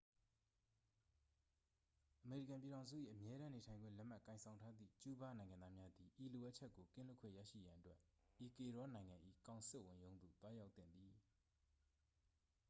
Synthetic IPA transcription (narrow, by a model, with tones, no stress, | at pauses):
ʔəme˨ɹi˦˨kã˨mp̬i˨ɾã˨ʊ̃nzṵ˦˨ʔḭ˦˨ʔəmjɛ˦ɾã˦ne˨tʰã˨ɪ̃ŋɡwɪ̰̃˦˨lɛ˦ʔm̥a˦˨kã˨ɪ̃sʰã˨ʊ̃ntʰa˦d̪ðḭ˦˨t͡ɕu˦ba˦nã˨ɪ̃ŋã˨nd̪ða˦mja˦d̪i˨ʔi˨lo˨ʔa˦ʔt͡ɕʰɛ˦ʔkːo˨kɪ̰̃˦˨lʊ˦kʰwḛ̃˦˨ja̰˦˨ʃḭ˦˨jã˨ʔətwɛ˦ʔʔi˨ke˨ɹɔ˨˦nã˨ɪ̃ŋã˨ʔḭ˦˨kã˨ʊ̃nsɪ˦ʔwʊ̃˨jõ˦ʊ̃nd̪u˨t̪wa˦ja˦ʊt̪θɪ̰̃˦˨nd̪i˨